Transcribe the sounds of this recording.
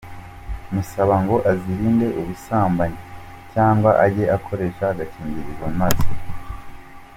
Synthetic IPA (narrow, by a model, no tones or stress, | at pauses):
musaβaŋɡo̞ʔaziɾiːnde̞ʔuβusaːmbaɲe | caːŋɡwaʔaɟe̞ʔakʰo̞ɾe̞ʃaɡaciːɲbiɾiɡomazi̥